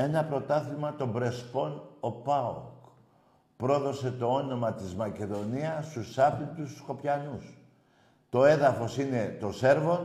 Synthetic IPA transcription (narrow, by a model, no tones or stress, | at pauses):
e̞nɐpɾo̞t̪ɐθimɐt̪o̞bɾe̞spo̞no̞pɐo̰k | pɾo̞ðo̞se̞t̪o̞o̞no̞mɐt̪izmɐce̞ðo̞niɐst̪usɐpind̪ussko̞pçɐnus | t̪o̞e̞ðɐfo̞sine̞t̪o̞se̞ɾvo̞n